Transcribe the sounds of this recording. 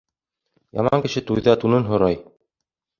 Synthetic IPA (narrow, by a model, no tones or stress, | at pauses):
jɑ̰mɑ̰ŋkɘ̆ʃɘt̪ujðɘɑt̪unɤnɦŏɾɑj